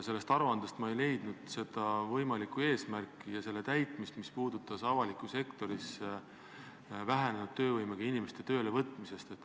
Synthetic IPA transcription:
se̞lːest̪ɑɾuɑnd̪̥ɑst̪mɑejle̞jd̪̥nud̪̥se̞d̪ɑvɤjmɑlikue̞ːsmærkːˑijɑse̞lːe̞t̪æjt̪ˑmist̪mispuːd̪̥ut̪ːˑɑsɑvɑlikːˑuse̞kt̪o̞ɾis | væɦenenud̪̚t̪ø̞ːvɤjmeɡ̥ɑinime̞st̪e̞t̪ø̞ːlevɤt̪ːˑmise̞st̪et̪ːˑ

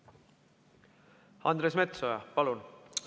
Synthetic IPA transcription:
ɑnd̪ɾesme̞t̪sojɑpɑlun

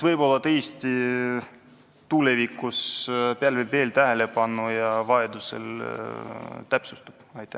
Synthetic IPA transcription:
svɤjbo̞lːɑt̪ejst̪i | t̪ule̞vikːˑuspeælvɤjbve̞ːlt̪æɦe̞le̞pɑnːujɑvɑe̞d̪use̞̰l | t̪æpsust̪u̥b̥ɑjt̪ˑːæ

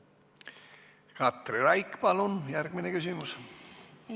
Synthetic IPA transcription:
kɑt̪reɾɑjkpɑlunjærɡ̥minekys̬imus

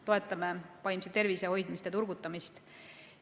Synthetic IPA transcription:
t̪o̞e̞t̪ˑːɑmepɑjmset̪e̞rviseho̞jd̪̥mist̪et̪urɡ̥ut̪ːˑɑmist̪

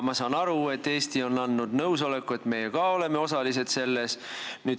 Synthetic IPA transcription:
mɑsɑːnɑɾue̞t̪ːe̞ːst̪io̞nːɑnːud̪nɤws̬o̞le̞kːue̞t̪ːˑme̞jekɑo̞le̞meo̞sɑlise̞d̪̥se̞lːesny̥ː

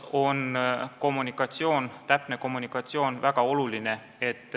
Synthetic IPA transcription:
o̞nko̞mːunikːˑɑt̪sio̞ːnt̪æpne̞ko̞mːunikːˑɑt̪sio̞ːnvæɡ̥ɑo̞luline̞ | e̞t̪ː

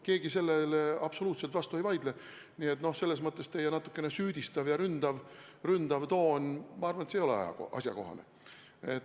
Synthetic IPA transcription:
ke̞ːɡ̥ise̞lːelɑb̥soluːt̪se̞lt̪vɑst̪ue̞jvɑjd̪̥le | nie̞t̪nohse̞lːe̞s̬mɤt̪ˑːe̞st̪ejenɑt̪ːˑu̥kˑːe̞nesyːd̪̥ʲist̪ɑvjɑɾynd̪̥ɑvrynd̪̥ɑvt̪o̞ːnʲmɑɑrvɑnet̪seːjolḛɑ̰jɑ̰koʔɑ̰sʲjɑ̰ko̞̰ɦɑ̰nḛ | et̪

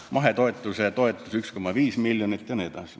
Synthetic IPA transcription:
mɑɦet̪o̞et̪ːˑuset̪o̞et̪ːˑusyksko̞mːɑviːsmiljonit̪ːˑjɑnet̪ɑ̰sʲi

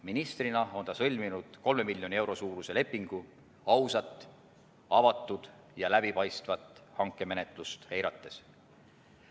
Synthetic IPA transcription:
minist̪rinɑo̞nt̪ɑsɤlʲminud̪̥ko̞lme̞milʲjo̞nie̞wɾo̞suːɾuse̞le̞pːˑiŋɡ̥u | ɑwsɑt̪ːˑ | ɑvɑt̪ːˑud̪̥ | jɑlæb̥ipɑjst̪vɑt̪ˑːhɑŋkːˑe̞me̞ne̞t̪ˑlust̪he̞jɾɑt̪ːˑe̞s

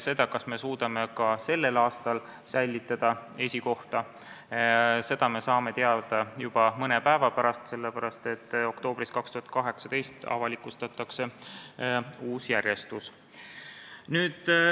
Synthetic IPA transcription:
se̞d̪̥ɑkɑsme̞suːd̪̥ɑme̞kɑse̞lːe̞lɑːst̪ɑl | sæjlʲːit̪ːˑɑd̪̥ɑe̞sʲiko̞ht̪ɑ | se̞d̪̥ɑme̞sɑːme̞t̪eɑd̪̥ɑjub̥ɑmɤnepæevɑpæɾɑst̪se̞lːepæɾɑst̪e̞t̪ːo̞kt̪o̞ːb̥riskɑkst̪uhɑt̪̚kɑɦe̞ksɑd̪̥e̞jst̪ɑ̰vɑlikust̪ɑt̪ˑːɑkse̞ | uːsjæɾʲje̞st̪us | nyːd̪̥

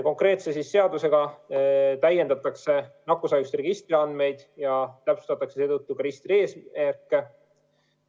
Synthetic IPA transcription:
ko̞ŋkɾe̞ːt̪se̞sisːe̞ɑd̪use̞ɡ̥ɑ | t̪æje̞nd̪ɑt̪ːˑɑkse̞nɑkːˑusɑjust̪re̞ɡ̥ist̪riɑnd̪me̞jd̪̥jɑt̪æpsu̥t̪ɑt̪ːˑɑkse̞se̞ːt̪ɤt̪ːukɑɾist̪rie̞ːsæɾkːe̞

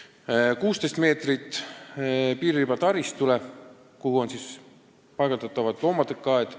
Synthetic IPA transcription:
kuːst̪est̪me̞ːt̪rit̪ː | piːɾibɑt̪ɑɾist̪ule̞ | kuhuo̞nsis | pɑjɡ̥ɑt̪ɑt̪ːˑɑvɑd̪lo̞ːmɑd̪̥ekːɑed̪̥

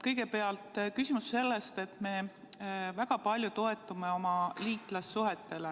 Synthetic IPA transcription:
kɤjɡe̞pe̞ɑlt̪ˑkysʲimusːe̞lːest̪e̞t̪ˑme̞ | væɡ̥ɑpɑlʲjut̪o̞e̞t̪ːˑumeo̞mɑliːt̪ˑlɑsːuɦet̪ːe̞le

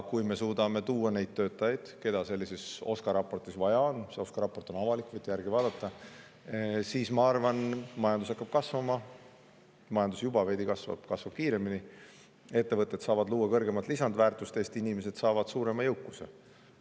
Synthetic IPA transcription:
kujme̞suːd̪ɑme̞t̪uːɑne̞jd̪̥̚t̪ø̞ːt̪ːˑɑjɑjd̪̥ke̞d̪̥ɑse̞lːise̞so̞skɑɾɑpːo̞rt̪isvɑjɑonse̞o̞skɑɾɑpo̞rt̪o̞nɑvɑlikːˑvɯjt̪ːˑejærɡ̥ivɑːd̪̥ɑt̪ːˑɑ | siːsmɑɑrvɑnmɑjɑnd̪̥us̬ɑkːˑɑb̥kɑsvɑmɑ | mɑjɑnd̪usjubɑve̞jd̪ikɑsvɑ̰b̥kɑsvɑb̥̚kiːɾe̞mini | e̞t̪ːe̞vɤt̪ːˑet̪sɑːvɑd̪luːwːɑkɤrɡe̞mɑt̪lisɑnd̪væːrt̪ˑust̪e̞ːst̪inime̞se̞d̪̥sɑːvɑd̪̥suːɾe̞mɑjɤwkːˑusḛ

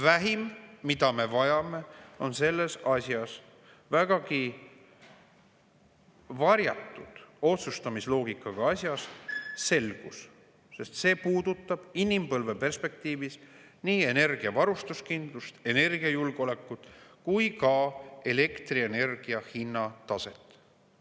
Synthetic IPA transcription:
væɦimːid̪̥ɑme̞vɑjɑme̞o̞nse̞lːe̞sɑsʲjɑs | væɡ̥ɑki | vɑɾjɑt̪ːˑud̪̥o̞t̪sust̪ɑmislo̞ːɡikːˑɑɡ̥ɑɑsʲjɑsse̞lɡ̥us | se̞st̪se̞ːpuːd̪̥ut̪ˑːɑb̥inimpɤlve̞pe̞rspe̞k̚t̪iːvis | niːe̞ne̞rɡ̥iɑvɑɾust̪uskind̪̥lust̪e̞ne̞rɡ̥iɑjulɡ̥o̞le̞kːud̪̥kujkɑe̞le̞kt̪rie̞ne̞rɡ̥iɑhinːɑt̪ɑse̞t̪ˑː

